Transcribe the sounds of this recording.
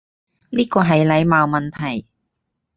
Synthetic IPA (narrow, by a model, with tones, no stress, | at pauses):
liː˥kɔː˧ɦɐ˨jlɐ˨˧jmaː˨˧wmɐ˨nt̪ʰɐ˨˩j